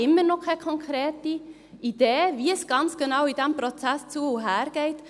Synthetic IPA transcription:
ɪmːəɾnɔkʰɛkʰɔŋkʰɾɛːti | id̥eːviəsɡ̥ɑnt͡sɡ̥enɑwid̥æmpɾɔt͡sæst͡suəuɦæːɾɡ̥ɛɪt

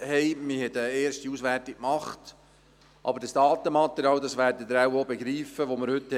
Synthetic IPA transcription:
hɛɪmɪhɛtəeːɾʃtiuːsʋærtɪkkmɑχt | ʔɑ̰bəɾd̥ɑsd̥ɑːt̪əmɑt̪ɛɾjɑːld̪ɑsʋæːɾdəd̪əɾawobeɡɾiːfəʋoməɾhɵt

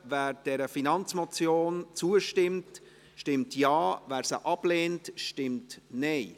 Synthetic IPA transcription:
væːɾd̥ɛɾəfinɑnt͡smɔt͡sjoːnt͡suəʃtɪmt | ʃtɪmtjɑːvæːɾsə̰ʔɑb̥leːntʃtɪmtnɛɪ

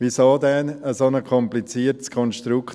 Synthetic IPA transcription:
ʋisoːdɛnəsonəkʰɔmplit͡siːəɾtskʰɔnʃtɾukʰ

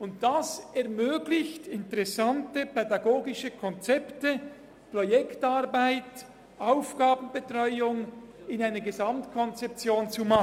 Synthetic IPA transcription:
ʊnt̚d̥asɛɐmøːɡlɪçtɪntəʁɛsantəpʰɛdaɡoːɡɪʃəkʰɔnt͡sɛptə | projɛktaːɾbaɪt | ʔaʊfɡ̥aːbn̩bətʁɔʏʊŋɪnaɪnɐɡəzɑmtkʰɔnt͡sɛp̚t͡sjoːnt͡sumɑ

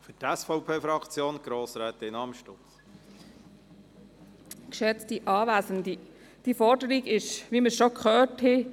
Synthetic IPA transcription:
fytɛsfɔʊpʰeːfɾɑkt͡sjoːnɡ̥ɾoːsɾɛːt̪əɪnɑmʃtot͡s | kʃɛt͡stiʔɑːʋæːsəndi | d̥ifɔɾdəɾiɡɪʃʋiməsʃɔkχœːthɪ

